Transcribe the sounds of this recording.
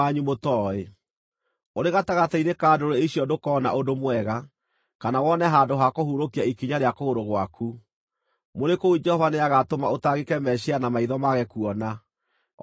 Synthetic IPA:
aɲumotɔe | oɾeɣataɣatainekaːdoɾeeiɕjɔdokɔna̰ʔodomwɛɣa | kanawɔnɛɦaːndoɦakohuɾokiaikiɲaɾeakooɾoɣwakʰu | moɾekoud͡ʒɛhɔvaneaɣatomaotaɣekɛmɛɕianamaiðɔmaɣɛkuɔna

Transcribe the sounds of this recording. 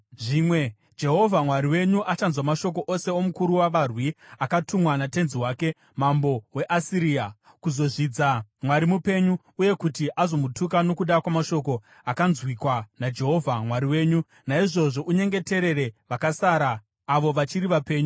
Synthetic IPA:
ʐiːmwe̞ | d͡ʒe̞ɦo̞vʱamwaɾiwe̞ɲuʔat͡ʃanzwamaʃo̞k̬o̞ʔose̞o̞mukuɾuwaʋarwiakatumwanate̞nziwaːke̞ | mambo̞we̞ʔasiɾiːa | kuzo̞ʐid͡zamwaɾimupe̞ɲuːje̞kutiʔazo̞mutukano̞kuɗakwamaʃo̞ko̞ | akanzwikwanad͡ʒe̞ɦo̞vʱamwaɾiwe̞ːɲu | naiʐo̞ʐo̞ʔuɲe̞ŋɡe̞te̞ɾe̞ɾe̞ʋakasaɾaː | ʋo̞ʋat͡ʃiɾiʋape̞ːɲu

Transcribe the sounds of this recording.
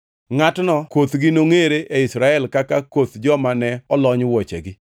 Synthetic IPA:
ŋatnɔkot̪ɡɪnoŋeɾeʔeɪsɾaɛlkakakot̪d͡ʒɔmanɛɔlɔɲwɔt͡ʃḛɡɪ

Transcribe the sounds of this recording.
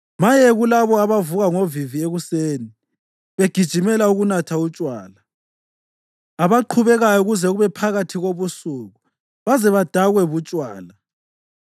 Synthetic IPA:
majɛɣulaβɔaβavuɣaŋovivieɣuseːni | βeɡ̥ʱid̥ʒ̥ʱimɛlauɣunatʰaut͡ʃʼwa̰ːla | aβaǃʰuβɛɣajɔuɣuzɛɣuβɛpʰaɣatʰiɣoβusuɣu | βazɛβad̥ʱaɣwɛβut͡ʃʼwaːla

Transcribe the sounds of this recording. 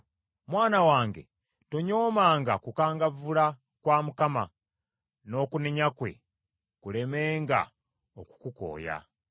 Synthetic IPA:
mwaːnawaːŋɡe̞̰ | toɲoːmaːŋɡakukaːŋɡavula | kwaːmukama | no̞ːkuneɲakwe̞̰ | kule̞me̞ːŋɡa̰ | oku̥kuko̞̰ːja̰

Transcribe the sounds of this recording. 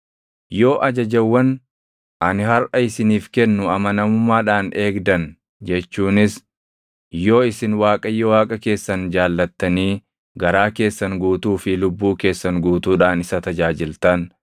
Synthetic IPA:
jo̞ːʔɐd͡ʒɐd͡ʒɐwːɐn | ʔɐnɪhɐɾʔɐɪsɪniːfkɛnːʊɐmɐnɐmʊmːaːᶑaːne̞ːɡd̪ɐn | d͡ʒɛt͡ʃːuːnɪs | jo̞ːɪsɪnwaːkʼɐjːɔwaːkʼɐke̞ːsːɐnd͡ʒaːlːɐt̪ːɐniː | ɡɐɾaːke̞ːsːɐŋɡuːt̪uːfɪlʊbːuːke̞ːsːɐŋɡuːt̪uːᶑaːnɪsɐt̪ɐd͡ʒaːd͡ʒɪlt̪ɐn

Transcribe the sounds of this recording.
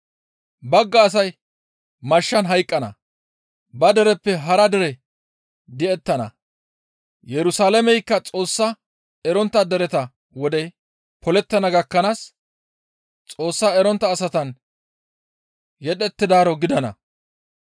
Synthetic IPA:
bɐɡːɐːs̬ɐj | mɐʃːɐnɦɐjkʼːɐnɐ̰ | bɐd̪ɛɾɛpːɛɦɐɾɐd̪ɛɾɛ | d̪ɛɛt̪ːɐnɐ̰ | jɛɾʊsaːlɐmɛjkːɐt͡sʼo̞ːsːɐ | ɛɾɔnt̪ːɐd̪ɛɾɛt̪ɐ | wɔd̪ɛ | pʰɔlɛt̪ːɐnɐɡɐkːɐnaːs | t͡sʼo̞ːsːaːɛɾɔnt̪ːɐːsɐt̪ɐn | jɛɗɛt̪ːɪd̪aːɾɔɡɪd̪ɐnɐ̰

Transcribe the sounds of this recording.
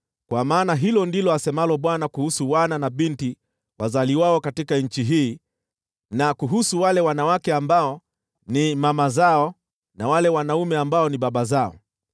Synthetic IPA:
kwamaːnaɦilɔndilɔasɛmalɔɓwanakuhusuwananaɓinti | wazaliwaɔkatikaɲ̩t͡ʃiɦiː | nakuɦusuwalɛwanawakɛambaɔ | nimamazaɔ | nawalɛwanaumɛambaɔniɓaɓazaɔ̰

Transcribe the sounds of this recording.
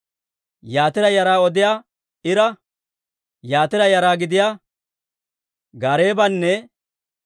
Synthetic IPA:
jaːt̪ɪɾɐjɐɾaːɔd̪ɪjaː | ɪɾɐ | jaːt̪ɪɾɐjɐɾaːɡɪd̪ɪjaː | ɡaːɾeːbɐnːɛ

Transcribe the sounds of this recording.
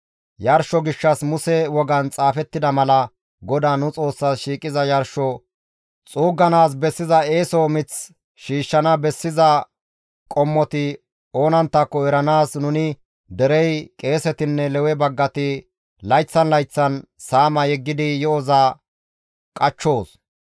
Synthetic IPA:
jɐɾʃɔɡɪʃːɐsmʊsɛwɔɡɐnt͡sʼaːfɛt̪ːɪd̪ɐmɐlɐ | ɡɔd̪aːnʊt͡sʼo̞ːsːasʃiːkʼɪzɐjɐɾʃɔ | t͡sʼuːɡɐnaːs̬bɛsːɪzɐeːsomɪt͡s | ʃiːʃːɐnɐbɛsːɪzɐ | kʼɔmːɔt̪ɪ | o̞ːnɐnt̪ːɐkːɔɛɾɐnaːsnʊnɪ | d̪ɛɾɛjkʼe̞ːsɛt̪ɪnːɛlɛwɛbɐɡːɐt̪ɪ | lɐjt͡sːɐnlɐjt͡sːɐnsaːmɐjɛɡːɪd̪ɪjɔɔza | kʼɐt͡ʃːo̞ːs

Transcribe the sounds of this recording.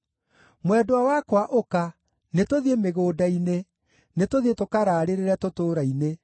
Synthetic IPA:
mwɛdoawakwaʔoka | netoðiemeɣoːdaine | netoðietokaɾaːɾeɾeɾɛtotoːɾaine

